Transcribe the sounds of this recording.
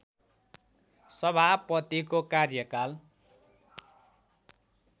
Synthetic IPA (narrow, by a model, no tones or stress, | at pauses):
sʌbʱapʌt̪ikokarjʌkal